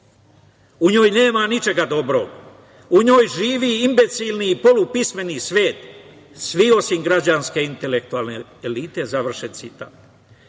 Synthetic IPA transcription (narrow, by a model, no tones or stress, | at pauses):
uɲo̞ːjne̞ːmanit͡ʃe̞ɡad̪o̞bɾo̰ɡ | uɲo̞ːjʒiːʋiinbe̞t̪silniːpo̞lupisme̞nisʋe̞ːt̪ | sʋio̞siŋɡɾad͡ʑanske̞int̪e̞lek̚t̪ualneelit̪e̞zaʋr̩ʃensit̪a̰m